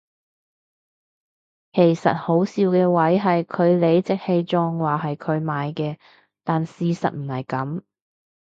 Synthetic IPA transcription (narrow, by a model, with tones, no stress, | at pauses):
kʰe˨˩jsɐ̰˨t̚ho˨˥wsiː˧wkɛː˧wɐ˨˥jɦɐ˨jkʰɵ˨˧ɥle˨˧jt͡sɪ˨k̚he˧jt͡ʃɔː˧ŋwaː˨ɦɐ˨jkʰɵ˨˧ɥmaː˨˧jkɛː˧ | t̪aː˨nsiː˨˧sɐ̰˨t̚m̩˨˩hɐ˨˩jkɐ˨˥m